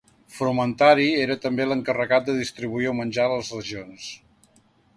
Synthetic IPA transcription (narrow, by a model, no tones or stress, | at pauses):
fɾumənt̪aɾieɾət̪əmbeləŋkərəɣat̪̚d̪əðist̪ɾiβuiɔmənʲd͡ʒaləzrəʒions